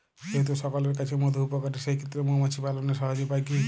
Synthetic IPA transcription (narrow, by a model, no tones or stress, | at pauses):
ʃoɦit̪̬uʃɔkɔleɾkat͡ɕʰemod̪ʱoupokaʈiʃejkʰet̪ːɾemomat͡ɕʰipaloneʃɔɦad͡ʑopajki